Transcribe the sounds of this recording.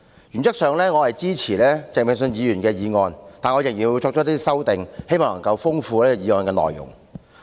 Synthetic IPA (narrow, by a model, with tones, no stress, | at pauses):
jy˨˩nt͡sɐ˥k̚sœː˨ŋlɛː˥ŋɔː˨˧hɐ˨jt͡siː˥t͡sʰiː˨˩lɛː˥t͡sɛ˨ŋmɪ˨˩ŋs̬ɵ˧njiː˨˧jyː˨˩nkɛː˧jiː˨˧ŋɔː˧nt̪aː˨nŋɔː˨˧jɪ˨˩ŋjiː˨˩nwu˨˧jt͡sɔː˧k̚t͡ʃɔː˥t̪iː˥sɐ˥wt̪ɪ˨ŋhe˥jmɔː˨ŋnɐ˨˩ŋkɐ˧wfʊ˥ŋfuː˧lɛː˥˧jiː˨˧ŋɔː˧nkɛː˧nɔ̰ː˨jːʊ̰˨˩ŋ